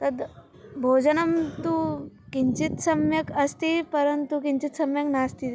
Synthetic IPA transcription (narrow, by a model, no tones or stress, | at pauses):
t̪əd̪ | bʱod͡ʑənəmt̪ukiɲt͡ɕit̪səmjəkəst̪ipəɾənt̪ukiɲt͡ɕit̪səmjəknast̪i